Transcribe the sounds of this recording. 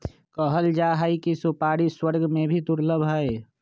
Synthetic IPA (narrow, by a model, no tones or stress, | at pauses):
kəɦəld͡ʒaɦəjkisupaɽiswəɾɡmẽbʱit̪uɾləbʱɦəɪ